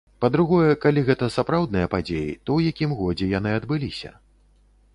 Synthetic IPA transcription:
pɐd̪ɾuɣɔjɛkalʲiɣɛt̪ɐsapɾawd̪nɨjɐpad͡zʲejḭt̪ɔwjakʲimɣɔd͡zʲɛjan̪ɨɐd̪bɨlʲisʲɐ̰

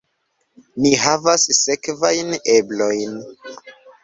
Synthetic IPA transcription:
niɦavasse̞kvajne̞blo̞jn

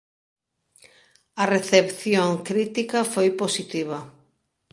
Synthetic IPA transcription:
ɐreθepθjoŋkɾit̪ikɐfojposit̪iβ̞ɐ

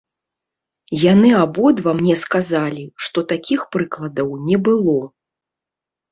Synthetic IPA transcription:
janɨabɔd̪vɐmnʲɛskazalʲiʂt̪ɔt̪akʲʰixpɾɨklˠɐd̪ɐwnʲɛbɨlˠɔ

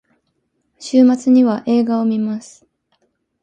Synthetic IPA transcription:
ɕɨːmat͡sɨɲ̟iβaʔe̞ːɡao̞mʲimasɨ̥

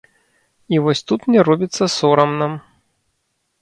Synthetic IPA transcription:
ivɔsʲt̪ut̪mnʲɛɾɔbʲit̪sːɐsɔɾɐmnam

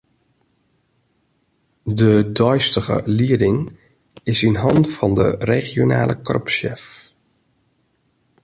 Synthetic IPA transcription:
dədɔjstəɣə̰liədɪŋ | ɪsinɦɑntfɑndə̰reχjona̰ːlʔə̰krø̰pʃɛ̰f

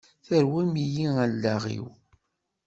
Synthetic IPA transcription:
θəɾwæmijiælːæʁḭw

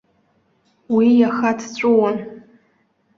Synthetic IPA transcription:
wijaxatʰt͡ɕʷʼʊwan

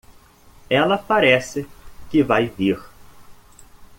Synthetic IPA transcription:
ɛlɐpaɾɛsɪkɪvajviɾ

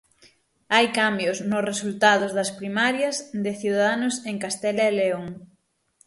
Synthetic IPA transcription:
ajkambjʊsnʊsresult̪aðʊzðɐspɾimaɾjɐzðɪθiuðaðanʊseŋkast̪ɛlɐeleoŋ

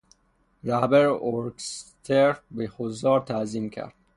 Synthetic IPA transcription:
ɾæhbæɾoɾɡst̪ʰeɾbexozɒːɾt̪ʰæziːmkʰæ̰ɾd̪̥

